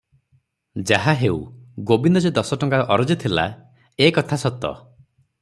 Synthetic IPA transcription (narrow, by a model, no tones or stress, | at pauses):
d͡ʒaɦaɦeṵɡobind̪ɔd͡ʒed̪ɔsɔʈɔŋkaɔʔɔɾɔd͡ʒit̪ʰila̰ | ekɔt̪ʰasɔt̪ɔ̰